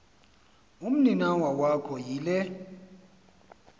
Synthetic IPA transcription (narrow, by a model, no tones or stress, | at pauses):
um̩ninawawakʰɔjiːlɛ